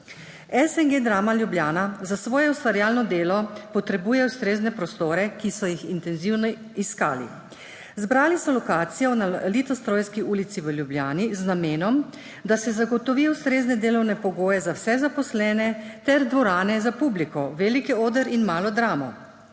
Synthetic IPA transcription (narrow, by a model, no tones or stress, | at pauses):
ɛsɛŋɡeːd̪ɾaːmaljubljaːnazasʋɔːjɛust̪ʋaɾjaːlnɔd̪eːlɔpɔt̪ɾɛbuːjɛwst̪ɾeːznɛpɾɔst̪oːɾɛkisɔjixint̪ɛnziwnɔ | iska̰ːlḭ | zbɾaːlisɔlɔkaːt̪sijɔnalit̪ɔst̪ɾoːjskiuːlit̪siʋəljubljaːniznameːnɔm | d̪asɛzaɡɔt̪ɔʋiːjɔwst̪ɾeːznɛd̪eːlɔwnɛpɔɡoːjɛzawsɛzapɔslɛːnɛt̪ɛɾd̪ʋɔɾaːnɛzapublikɔʋelikioːd̪əɾinmaːlɔd̪ɾaːmɔ̰